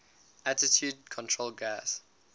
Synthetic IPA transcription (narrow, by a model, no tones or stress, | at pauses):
ʔatɪtʰjuːd̚kʰɔ̃ntʰɹolɡas